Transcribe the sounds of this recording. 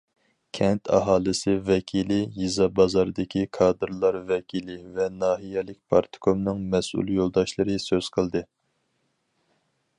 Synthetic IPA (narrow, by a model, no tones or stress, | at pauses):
kʲʰɛnt̪ʰɑ̰ɦɑːlˠɨsɨvɛkʲʰilɪjizɑbɑzɑɾɨd̪ɪkʲʰikʰɑːd̪ɨɾlˠɑɾvɛkʲʰilɪvɛnɑːɦijɛlɪkʲpʰɑɾt̪ʰɨ̥kʰomnɨŋmɛsṵlˠjolˠd̪ɑʃlˠɨɾɨsøz̥qʰəlˠd̪ɨ